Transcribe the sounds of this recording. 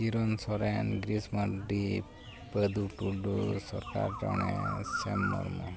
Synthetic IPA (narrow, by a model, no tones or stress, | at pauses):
iɾɔnsɔɾenɡɾismaɖi | ped̪uʈuɖusɔɾkaɾd͡ʒɔɳ̃esemnɔ̰ɾmɔ